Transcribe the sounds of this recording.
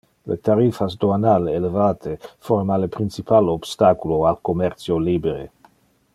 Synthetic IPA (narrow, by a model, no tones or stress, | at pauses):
lḛt̪aɾifasd̪oanalelevaːt̪ʰeformalepɾint͡sipʰalob̥st̪akuloalkomɛrt̪sjoliːbeɾḛ